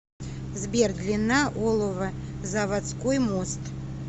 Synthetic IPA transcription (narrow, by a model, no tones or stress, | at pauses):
zbʲerd̪lʲɪnːaʔolˠɔvə | zɐvat̪skojmost̪